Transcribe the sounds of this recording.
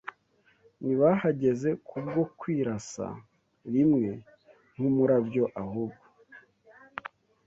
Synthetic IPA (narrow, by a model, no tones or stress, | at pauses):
niβahaɟe̞ze̞kʰub̚ɡo̞kwiːɾasa̰ | ɾimŋe̞ | n̥humuɾabjo̞ʔahuːbɡo